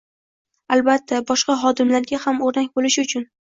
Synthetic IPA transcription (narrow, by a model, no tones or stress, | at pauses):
albat̪ʰːabɒʃqɑɦɒd̪ɪmlaɾɡʲahamoɾnakʲbolɪʃɪʊt͡ʃʰʊn